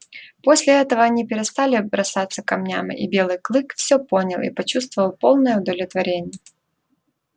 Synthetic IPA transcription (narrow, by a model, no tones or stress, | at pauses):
po̞sʲlʲɪɛt̪əvəɐnʲipʲɪɾʲɪst̪alʲɪbɾɐsat̪sːəkɐmnʲamɨ̰ʔḭbʲe̞lˠɨjklˠɨkfsʲopo̞nʲəlˠḭpɐt͡ɕust̪vəvəlˠpo̞lˠnəjəʊd̪əlʲɪt̪vɐɾʲenʲɪjə